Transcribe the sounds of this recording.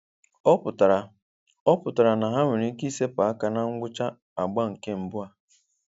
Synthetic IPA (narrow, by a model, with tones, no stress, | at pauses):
ɔ˦pʊ˨ta˨ | ɔ˦pʊ˨ta˨ɾa˨na˨ɦa˦mɪ˨ɾi˦ki˦se˦pa˨a˦ka˨na˦ŋ̩˦ɡʷʊ˦t͡ʃa˦ | a˨ɡ͡ba˦ŋ̩˨ke˦m̩˨bʊ˦a˦